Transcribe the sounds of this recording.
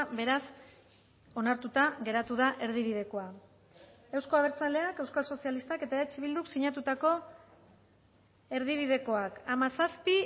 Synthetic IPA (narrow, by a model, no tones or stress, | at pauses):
be̞ɾas | o̞naɾt̪ut̪aɣe̞ɾat̪uðaʔe̞ɾð̞iβ̞ið̞e̞ko̞a | e̞wsko̞aβeɾt͡sale̞ake̞wskalso̞sijalist̪ake̞t̪aeet͡ʃiβild̪uksiɲat̪ut̪ako̞ | e̞ɾð̞iβ̞iðe̞ko̞akamasaspi